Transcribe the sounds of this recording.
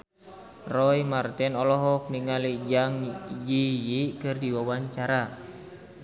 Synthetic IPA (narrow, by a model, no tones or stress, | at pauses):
rɔimart̪ɛnɔlɔɦɔk̚niŋalid͡ʒaŋd͡ʒijiʔkɨrdiwawaɲt͡ʃaɾa